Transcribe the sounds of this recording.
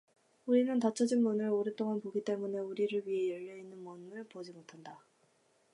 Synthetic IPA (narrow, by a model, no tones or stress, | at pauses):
uɾinɯntat͡ɕʰʌd͡ʑinmunɯɭoɾet͈oŋanpoɡit͈e̞mune̞uɾiɾɯɭɥiɦe̞jʌʎːʌinːɯnmunmɯɭpod͡ʑimotʰanda